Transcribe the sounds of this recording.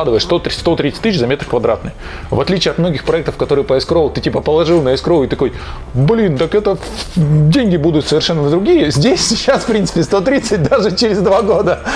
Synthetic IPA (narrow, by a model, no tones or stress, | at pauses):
ad̪ɨvəjɪʂst̪ot̪ʲst̪ot̪ɾʲit̪sɨ̥t̪ɨɕzɐmʲet̪ɾrə̥kvɐd̪ɾa̰t̪nəj | vɐt̪lʲit͡ɕɪɐt̪mno̞ɡʲɪxpɾɐɛk̚t̪əfkɐt̪o̞ɾɨjpəɪskɾovˠt̪ɨtʲipəpəlˠɐʐɨlˠnəɪskɾoɪt̪ɐkoj | blʲint̪əkɛt̪ə | dʲenʲɡʲɪbud̪ʊt̪səvʲɪrʂɛnːənəd̪ɾʊɡʲijəzʲdʲesʲsʲɪt͡ɕːasfpɾʲinsɨ̥pʲɪst̪o̞t̪ɾʲit̪sɨt̚ʲd̪aʐɨt͡ɕɪɾʲɪzd̪vaɡo̞d̪ə